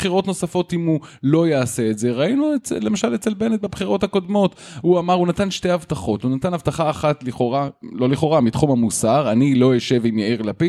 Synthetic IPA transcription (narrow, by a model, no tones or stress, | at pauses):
b̥χiʁo̞tno̞safo̞timulo̞jaːse̞ːtze̞ʁainuet͡sle̞maʃalet͡selbe̞net̚bebχiʁo̞thako̞d̪mo̞t | huamaʁunat̪anʃte̞havtaχo̞tunat̪anavt̪aχaːχatliχoʁalo̞liχo̞ʁamit̪χumhamusaʁanilo̞joʃe̞vimjaiʁlapi